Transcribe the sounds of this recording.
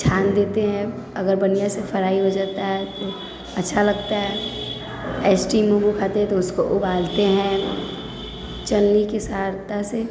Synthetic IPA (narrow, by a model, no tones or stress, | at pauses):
t͡ʃʰaːnd̪eːt̪eɦɛ̃ | ɐɡəɾbɐnijasefʰɐɾaːiɦod͡ʒaːt̪aɦɛt̪o | ɐtːʃʰalɐɡ̚t̪aɦɛ | ɛːsʈiːmũbukʰaːt̪eɦɛ̃t̪oʊskoʔʊbaːlt̪eɦɛ̃ | t͡ʃɐlnikesaːɾt̪ase